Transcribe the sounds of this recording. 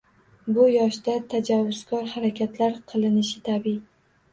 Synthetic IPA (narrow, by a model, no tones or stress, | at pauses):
bʊjɒʃd̪at̪ʰad͡ʒavːʊz̥kɒɾhaɾakʲʰat̪laɾqʰɨlˠɪnɪʃɪt̪ʰabi